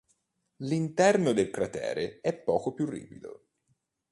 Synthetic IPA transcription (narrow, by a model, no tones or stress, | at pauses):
lint̪ɛrnod̪elkɾat̪ɛ̰ːɾeɛpːɔːkopjurːḭːpid̪o̰